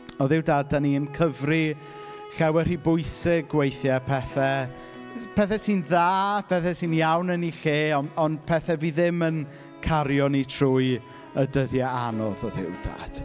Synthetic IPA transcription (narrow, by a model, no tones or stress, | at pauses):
ɔðɪwdaːd̚aniənkʰəvri | ɬɛwɛr̥ibʊɨsɪɡwejθjɛpʰɛθɛ | pʰɛθɛsinðaːpʰɛθɛsiːnjawnəniɬeːɔɔndpʰɛθɛviðɪmən | kʰaɾjɔnitʰruːj | ədəðjɛanɔðɔðɪ̰wd̥a̰d̥